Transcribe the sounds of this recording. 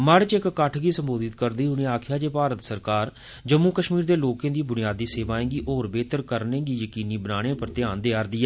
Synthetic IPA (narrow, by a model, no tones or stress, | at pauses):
məɽt͡ʃɪkkəʈʰɡiːsəmboːd̪ɪt̪kəɾd̪iːɦʊniːaːkʰjaːd͡ʒeːpaːɾət̪səɾkaːɾ | d͡ʒəmːuːkəʃmiːɾd̪eːloːkẽːd̪iːbʊnɪjaːd̪iːseːʋaːẽːɡiːʔoːɾbeːt̪əɾkəɾnẽːɡiːjəkiːniːbənaːɽ̃ẽːpəɾt̪ɪãːnd̪eaːɾd̪iːɛː